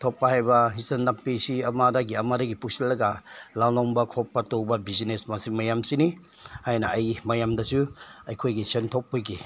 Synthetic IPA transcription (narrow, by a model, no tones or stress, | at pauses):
tʰop̚pːɐhajbɐɦisɐndampisiɐmadɐɡiɐmadɐɡipuk̚silːɐɡɐlawloŋbɐkʰopːɐtowbɐbizinesmasiŋmɐjamsini | hajnɐɐjmɐjamdɐsuɐjkʰojɡisɐntʰop̚ːiɡi